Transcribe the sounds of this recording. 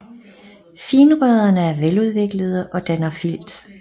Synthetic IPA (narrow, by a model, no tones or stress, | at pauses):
fiːnəʁ̥ɛðˠɐnəæɐʋeluðˠʋe̝ɡ̥ləð̞ˠəʔɒ̽d̥ænɐfil̰d̥